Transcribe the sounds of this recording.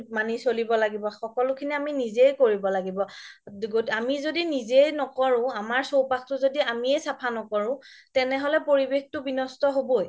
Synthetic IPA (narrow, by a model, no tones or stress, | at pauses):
manisolibɔlaɡibɔxɔkɔlʊkʰiniaminizejkoɹibɔlaɡibɔɡotamizodinizejnɔkɔɹʊ̃amaɹsowpakʰtʊzodiamiɛsapʰanɔkɔɹʊ̃ | tɛnɛɦɔlɛpoɹibextʊbinɔstɔɦoboj